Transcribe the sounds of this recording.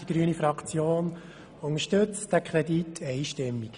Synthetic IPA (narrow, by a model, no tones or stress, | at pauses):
d̥iɡ̥ɾyənifɾɑkʰt͡sjoːn | ʊŋəʃtøt͡sd̥ækʰɾɛditʰːɛɪʃtɪmːik